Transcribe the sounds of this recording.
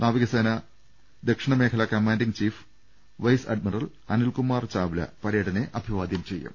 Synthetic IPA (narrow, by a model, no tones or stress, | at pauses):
nʔaːʋiɣɐseːnɐ | d̪ekʂiɳɐme̞ːkʰɐlɐkɐmaːnɖiŋt͡ɕiːf | ʋɐjsɐ̰ɖ̚mirɐl | ɐnulkumːaːrt͡ɕaːʋulɐ̰pɐɾeːɽɐneʔɐbʱiʋaːd̪jɐmt͡ɕe̞jːṵm